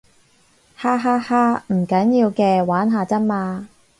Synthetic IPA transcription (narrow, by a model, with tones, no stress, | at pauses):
haː˥ɦaː˥haː˥m̩˨˩kɐ˨˥njiː˧wkɛː˧waː˨˥nɦaː˨˧t͡sɐ˥n̚maː˧